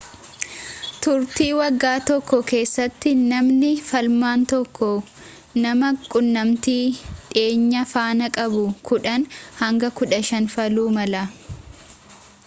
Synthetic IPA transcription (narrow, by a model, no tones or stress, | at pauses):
t̪ʊɾt̪iːwɐɡːaːt̪ɔkːɔke̞ːsːɐt̪ːɪnɐmnɪfɐlmaːnt̪ɔkːɔ | nɐmɐkʼʊnːɐmt̪iːᶑe̞ːɲːɐfaːnɐkʼɐbʊkʊᶑɐnhɐŋɡɐkʊᶑɐʃɐnfɐluːmɐlɐ